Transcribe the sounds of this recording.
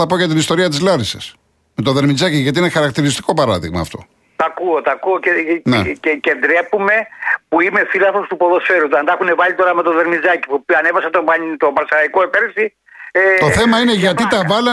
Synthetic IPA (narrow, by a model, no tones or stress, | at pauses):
ɐpo̞ʝɐt̪̬inist̪o̞ɾiɐt̪izlɐɾises | met̪oðeɾmizɐciʝɐt̪iinexɐɾɐkt̪iɾist̪i̥ko̞pɐɾɐðiɣmɐ̰ːft̪o̞̰ | t̪ɐkuot̪ɐkuoceneecend̪ɾepume̞puime̞filɐθo̞st̪upo̞ðo̞sfe̞ɾut̪ɐnd̪ɐxune̞vɐʎit̪o̞ɾɐme̞t̪o̞ðeɾmizɐci̥pupiɐne̞vɐsɐt̪ot̪obɐɾsɐlɐikoepeɾsi | et̪oθe̞mɐineʝɐt̪it̪ɐvɐlɐ